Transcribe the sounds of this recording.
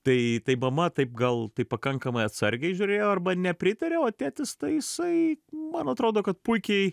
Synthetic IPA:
t̪ɐɪt̪ɐɪmɐmɐt̪ɐɪp̚ɡɐlˠt̪ɐɪpːɐkɐŋkɐmɐɪɐt̪sɐɾʲɡʲɛɪʒʲuɾʲeːjoːɐrbɐnʲɛpʲɾʲɪt̪ɐɾʲeoːt̪ʲæːt̪ʲɪst̪ɐɪjɪsɐɪmɐnɐt̪ɾoːd̪oːkɐt̪̚pʊɪkʲɛɪ

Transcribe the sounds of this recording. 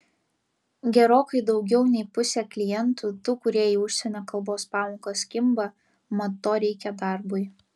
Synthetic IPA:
ɡʲɛɾoːkɐɪd̪ɒʊɡʲɛʊnʲɛɪpʊsʲɛklʲɪjɛnt̪ut̪ʊkʊɾʲiɛjiʊʃʲsʲɛnʲoːkɐlˠboːspɑːmoːkosʲkʲɪmbɐ | mɐt̪oːɾʲɛɪkʲɛd̪ɐˑɾbʊɪ

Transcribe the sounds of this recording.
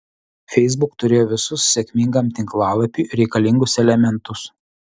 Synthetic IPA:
fʲɛɪz̬bʊkt̪ʊɾʲeːjoːʋʲɪsʊsːʲɛkʲmʲɪŋɡɐmt̪ʲɪŋklˠɑːlˠɐpʲuːˑɾʲɛɪkɐlʲɪŋɡʊsɛlʲɛmʲɛnt̪ʊs

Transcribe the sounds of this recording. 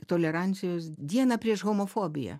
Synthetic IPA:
t̪olʲɛɾɑˑnʲt͡s̪sʲɪjoːsd̪ʲiɛnɐpʲɾʲiɛʃɣomofoːbʲɪjɛ̰

